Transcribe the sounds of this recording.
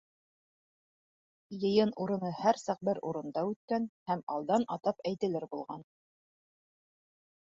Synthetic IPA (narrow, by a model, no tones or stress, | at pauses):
jɤ̆jɤnuɾɤ̆nɤhæɾsɑq̚bɘɾuɾɤ̆nd̪ɑʉt̪̚kænhæmɑlˠd̪ɑnʔɑt̪ɑpæjt̪ɘ̆lɘɾbulˠʁɑn